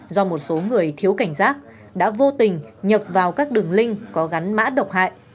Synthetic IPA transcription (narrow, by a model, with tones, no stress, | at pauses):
zɔ˧mo˨˩t̚so˨˦ŋɨ˨˩əjt̪ʰi˨˦əwka˧˩jŋ̟saː˦˥k̚ | ɗa̰ː˧˥vo˧t̪ï˨˩ŋ̟ɲə˨˩p̚vaː˨˩wkaː˦˥k̚ɗɨ˨˩əŋlï˧ŋ̟kɔ˨˦ɣa˨˦nma̰ː˧˥ɗə˨˩wk͡p̚ha̰ː˧˨jʔ